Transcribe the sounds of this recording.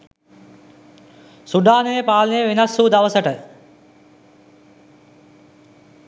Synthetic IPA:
suɖaːneepaːlneːʋenɐsːuːd̪ɐʋəsəʈə

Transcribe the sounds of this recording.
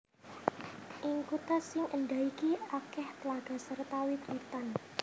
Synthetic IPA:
ʔɪŋkut̪asɪŋʔənɖ̪aikiakɛht̪əlaɡ̥a̤sərt̪awik̪wut̪an

